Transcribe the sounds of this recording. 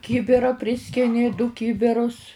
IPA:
ˈkʲɪbʲɪrɐ ˈpʲrʲɪsʲkʲɪnʲɪ dʊ ˈkʲɪbʲɪrʊs

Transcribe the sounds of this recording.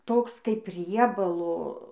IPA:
ˈtoːks kɐɪp ˈrʲiɛbɐlˠoː

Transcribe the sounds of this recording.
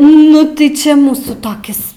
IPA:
nʊ tɐɪ ˈt͡ʃʲɛ ˈmuːsuː toːˈkʲɪs

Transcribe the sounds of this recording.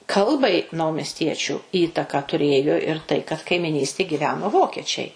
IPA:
ˈkɐlˠbɐɪ nɐʊmʲɛsʲˈtʲiɛt͡ʃʲuː ˈiːtɐkɑː tʊˈrʲeːjoː ɪr tɐɪ kɐt kɐɪmʲɪˈnʲiːsʲtʲeːj ɡʲɪˈʋʲæːnoː ˈʋoːkʲiɛt͡ʃʲɛɪ

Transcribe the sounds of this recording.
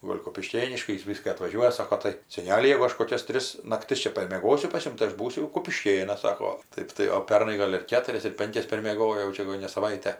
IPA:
ˈɡoːlʲ kʊpʲɪˈʃʲkʲeːnʲɪʃkɐɪ ˈjɪs ˈʋʲiːskɐ ɐtʋɐˈʒʲuɔjɛ ˈsɑːkoː tɐɪ sʲɛˈnʲæːlʲɪ jɛʊ ˈɐʃ koːˈkʲɛs ˈtʲrʲɪs nɐkˈtʲɪs ˈt͡ʃʲɛ pɐrʲmʲiɛˈɡoːsʲʊ pɐs ˈjʊm tɐɪ ˈɐʃ ˈbuːsʲʊ jɛʊ kʊpʲɪˈʃʲkʲeːnɐs ˈsɑːkoː ˈtɐɪp tɐɪ oː ˈpʲɛrnɐɪ ˈɡoːlʲ ɪr ˈkʲæːtʊrʲɛs ɪr ˈpʲɛŋʲkʲɛs pʲɛrʲmʲiɛˈɡoːjoː jɛʊ ˈt͡ʃʲɛ jɛɡʊ nʲɛ sɐˈʋɐɪtʲɛ

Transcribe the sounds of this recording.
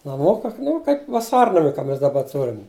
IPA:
nɐˈmʊkɐ ˈnʊ kɐɪp ʋɐˈsɐrnɐmʲɪ kɐ ˈmʲɛs dɐˈbɐ ˈtʊrʲɪm

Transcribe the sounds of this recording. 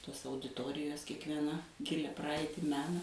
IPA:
ˈtoːs ɐʊdʲɪˈtoːrʲɪjoːs kʲiɛkʋʲiɛˈnɐ ˈɡʲɪlʲɛ ˈprɐɐɪtʲɪ ˈmʲæːnɐ

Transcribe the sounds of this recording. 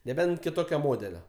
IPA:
nʲɛˈbʲɛnt kʲɪˈtoːkʲoː ˈmoːdʲɛlʲoː

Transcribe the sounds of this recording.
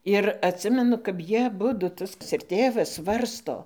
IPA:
ɪr ɐtʲˈsʲɪmʲɛnʊ kɐp ˈjiɛ ɐˈbʊdʊ ˈtɐs ɪr ˈtʲeːʋɐs ˈsʋɐrstoː

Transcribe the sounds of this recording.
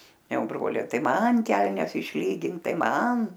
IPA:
ˈjɛʊ ˈbroːlʲɛɪ ˈtɐɪ ˈmɐn ˈkʲɛlʲnʲɛs ɪʃʲˈlʲiːɡʲɪŋk ˈtɐɪ ˈmɐn

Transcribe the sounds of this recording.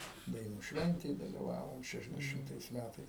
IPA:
dɐɪˈnuː ˈʃʲʋʲɛnʲtʲeːj dɐlʲɪˈʋɑːʋoːm ˌʃʲæːʃʲɛzʲdʲɛˈʃʲɪmtɐɪs ˈmʲætɐɪs

